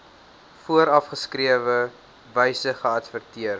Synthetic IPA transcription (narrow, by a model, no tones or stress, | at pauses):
fuəɾɐfχəskriəvə | vɛjsəχəɐtfərtiər